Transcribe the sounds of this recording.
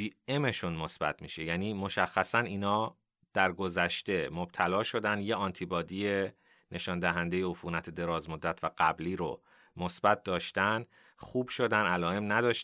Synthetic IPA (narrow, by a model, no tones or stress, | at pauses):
iːeme̞ʃunmo̞sb̥æ̰t̪ʰmiːʃe̞jæːniːmo̞ʃæxːæsæniːnɒː | d̪̥æɾɡo̞zæʃt̪e̞mo̞b̥̚t̪ʰælɒːʃo̞d̪ænjeɒnt̪ʰibɒːd̪ije̞ | nʔe̞ʃɒːnd̪æɦænd̪e̞jeofuːnæt̪ʰed̪e̞ɾɒːzmod̪ːæt̪ʰvæɡ̥æbliːɾo̰ | mo̞sb̥æt̪̚d̪ɒːʃt̪æn | xuːb̥ʃo̞d̪ænælɒːe̞mnæd̪ɒːʃ